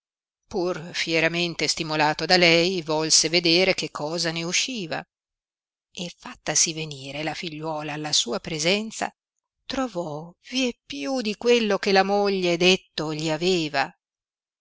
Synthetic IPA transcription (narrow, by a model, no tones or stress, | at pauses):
purfjeɾament̪est̪imolaːt̪od̪alɛjvɔlseved̪eːɾekekʰːɔːzaneuʃːiːva̰ | efːat̪ːasiveniːɾelafiʎːwɔːlaːlːasuːapɾezɛnt̪sa̰ | t̪ɾovɔviepːjud̪ikwelːokelamoʎːed̪et̪ːoʎiaveːva